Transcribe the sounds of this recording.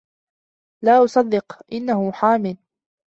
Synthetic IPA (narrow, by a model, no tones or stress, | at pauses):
laːʔʊsˤɑd̪ːɪqʔɪnːahʊħaːmɪl